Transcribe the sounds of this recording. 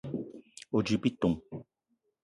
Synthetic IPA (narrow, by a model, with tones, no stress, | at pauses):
o˨d͡ʒi˨pi˦tũ˨ŋ